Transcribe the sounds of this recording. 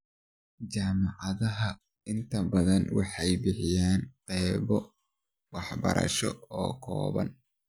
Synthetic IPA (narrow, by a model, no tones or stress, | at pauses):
t͡ʃaːmɑʕɑðɐɦɐ | ɪnt̪ʰɐbɐðɐnwɑħɑjbɪħɪjaːnqɛːβɔ | wɑħbɐ̰ɾʔɐ̰ʃɔ̰ɔːkʰɔ̰ːβɐ̰n